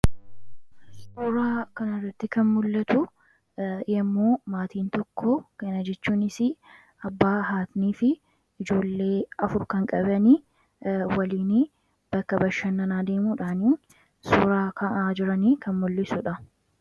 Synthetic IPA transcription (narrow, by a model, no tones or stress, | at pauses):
suːɾaːkɐnɐrːɐt̪ːɪkɐnmʊlːɐt̪ʊ | ɛmːoːmaːt̪iːnt̪ɔkʰːɔkɐnɐd͡ʒɛt͡ʃːuːnɪsɪ | ɐbːaːɦaːt̪niːfɪ | ɪd͡ʒo̞ːlːe̞ːɐfʊɾkɐŋkʼɐbɐni | wɐliːnɪ | b̥ɐkːɐbɐʃːɐnːɐnaːd̪e̞ːmuːᶑaːniːn | suːɾaːkʰɐʔaːd͡ʒɪɾɐniːkɐnmʊlːɪsʊᶑɐ